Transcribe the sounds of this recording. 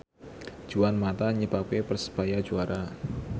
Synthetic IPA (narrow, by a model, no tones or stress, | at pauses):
d͡ʒ̥uwanmat̪aɲəbakepərsə̥b̥ajḁd͡ʒuaɾa